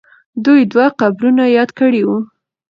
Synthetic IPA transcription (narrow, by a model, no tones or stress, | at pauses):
d̪ujd̪waqabɾunajɑd̪kəɽiwu